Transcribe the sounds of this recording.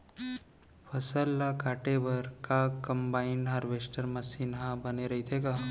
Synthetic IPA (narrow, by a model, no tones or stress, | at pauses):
pʰəsəlːakaːʈebəɾkakɐ̃mbaːɪɳɖɦaɾʋeːsʈəɾmɐsiːnɦãbɐneɾɐɦit̪ʰeɡaː